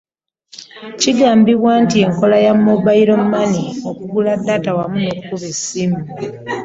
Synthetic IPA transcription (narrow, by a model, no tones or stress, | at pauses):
ciɡaːmbiβwaːntie̞ŋko̞lajamːoβaiɾo̞mumaniokuɡuladːaːtawamunokukuβesimu